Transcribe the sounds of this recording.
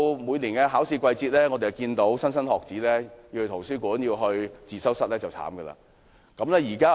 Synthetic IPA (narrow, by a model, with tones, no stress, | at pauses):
mu˨˧jliː˨˩nkɛ˧ɦaː˨˥wsiː˧kʷɐ˧jt͡siː˧t̚lɛː˥ŋɔ˨˧t̪e˨jwkiː˧nt̪o˨˥wsɐ˥nsɐ˥nhɔː˨k̚t͡siː˨˥lɛ˥jiː˧whɵ˧t̪ʰo˨˩wsyː˥kuː˨˥njiː˧wɦɵ˧ɥt͡siː˨sɐ˥wsɐ˥t̚lɛː˥t͡sɐ˨˩wt͡sʰa̰ː˨˥mɡə˧la̰ː˧ | kɐ˨˥mlɛː˥jiː˨˩kaː˥